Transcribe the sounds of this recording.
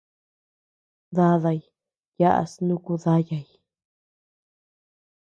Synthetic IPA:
ða˦ða˧j | ja˦ʔa̰˧snũ˦ku˧ða˦ja˧˨ji˨

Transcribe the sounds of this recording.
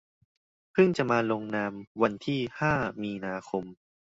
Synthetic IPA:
pʰɯ˥˩ŋt͡ɕa˨˩ʔmaː˧lo˧ŋnaː˧mwa˧nt̪ʰiː˥˩haː˥˩miː˧naː˧kʰo˧m

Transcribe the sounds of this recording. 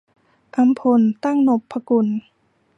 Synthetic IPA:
ʔa˧˥mpʰo˧˩nt̪a˥˩ŋno˨˩pʰːa˧ku˧˩n

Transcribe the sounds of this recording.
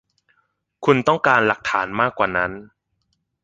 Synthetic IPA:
kʰu˧nt̪ɔ˥˩ŋkaː˧nla˨˩k̚t̪ʰaː˩˦nmaː˥˩kwaː˨˩na˦˥n

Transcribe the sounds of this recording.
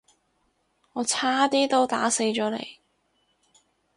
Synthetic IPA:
ŋɔː˨˧t͡sʰaː˥t̪iː˥t̪o˥wt̪a̰ː˨˥se˨˧jt͡ʃɔː˨˥lḛ˨˩j

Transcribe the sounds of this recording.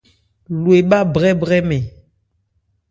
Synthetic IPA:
lu˨e˨ɓa˦bʁɛ˦bʁɛ˦mɛ˨

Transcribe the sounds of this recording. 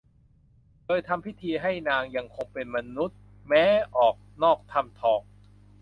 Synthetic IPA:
dɤː˧jt̪ʰa˧mpʰi˦˥t̪ʰiː˧ɦa˥˩jnaː˧ŋja˧ŋkʰo˧ŋpe˧nma˧nu˦˥t̪̚ | mɛː˦˥ʔɔː˨˩k̚nɔː˥˩k̚t̪ʰa˧mt̪ʰɔː˨˩k̚

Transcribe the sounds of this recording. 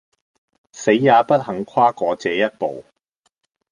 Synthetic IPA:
se˨˥jːaː˨˧pɐ˥t̚hɐ˨˥ŋkʰaː˥kɔː˨˧t͡sɛː˨˦jɐ˥t̚po˨w

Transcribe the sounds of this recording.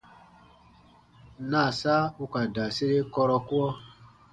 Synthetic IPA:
nã˦˨sa˦u˦ka˨da˨se˦ɾe˦kɔ˧ɾɔ˧ku˦ɔ˦

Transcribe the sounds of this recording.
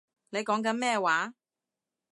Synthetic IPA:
ne˨˧jkɔː˨˥ŋk̬ɐ˨˥nmɛː˥˧waː˨˥

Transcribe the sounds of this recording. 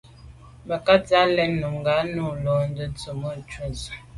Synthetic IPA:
mə˨ka˦t͡sa˦lɛ˦nːu˨mŋɡa˨˦nu˦˨lɔ˦n˦də˦t͡sə˨mə˦˨t͡ʃu˦˨z

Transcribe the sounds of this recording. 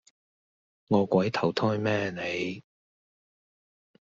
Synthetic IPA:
ŋɔː˨˧kʷɐ˨˥jt̪ʰɐ˨˩wt̪ʰɔː˥jmɛː˥ne˨˧j

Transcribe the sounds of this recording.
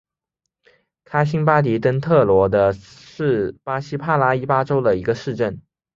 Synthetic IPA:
kʰa˥ɪɕ̬i˥ŋpa˥t̪i˧˥t̪ə˥ŋt̪ʰɤ˥˩lwɔ˧˥d̪ə˧ | ʂɻ̩˥˩pa˥ɕi˥pʰa˥la˥i˥pa˥ʈ͡ʂo˥ʊd̪ə˨i˧˥ɡə˧ʂɻ̩˥˧ʈ͡ʂə˥˩n

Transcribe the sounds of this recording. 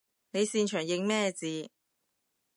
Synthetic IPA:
ne˨˧jsiː˧nt͡ʃʰœː˨˩ŋjɪ˨˧ŋmɛː˥˩t͡siː˨˧

